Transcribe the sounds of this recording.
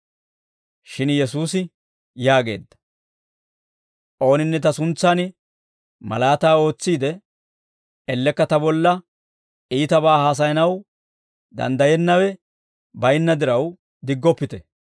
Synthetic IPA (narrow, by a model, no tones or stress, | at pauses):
ʃɪnjɛsuːsɪ | jaːɡe̞̰ːd̪ːɐ̥ | ʔo̞ːnɪnːɛt̪ɐsʊnt͡sːanɪ | mɐ̰laːt̪aːo̞ːt͡sːiːd̪ɛ | ɛlːɛkːɐt̪ɐbɔlːɐ | iːt̪ɐbaːhaːs̬ɐjɐnɐw | d̪ɐ̰nd̪ɐjɛnːɐwɛ | bɐjɪnːɐd̪ɪɾɐw | d̪ɪɡːɔpːɪt̪ɛ